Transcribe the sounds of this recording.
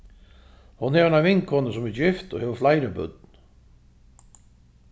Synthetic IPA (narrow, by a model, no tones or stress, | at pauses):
hʊnhɛvnavɪŋkhɔnəsʊmɛd͡ʒɪft̪ɔ̰hɛːʋəflajɾəbʏ̰t̪̚n